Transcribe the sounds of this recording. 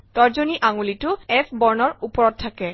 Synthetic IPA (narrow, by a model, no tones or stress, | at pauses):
tɔɹzoniʔaŋulitʊɛpʰbɔɹnɔɹupɔɹɔt̚ʰːakɛ